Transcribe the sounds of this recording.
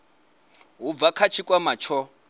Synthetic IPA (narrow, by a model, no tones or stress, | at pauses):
ɦub̪vakʰat͡ʃʰikʼwamat͡ʃʰɔ